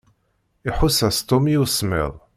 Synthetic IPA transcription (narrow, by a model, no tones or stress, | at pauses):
iħusæst̪omjuwsmɪ̰ðˤ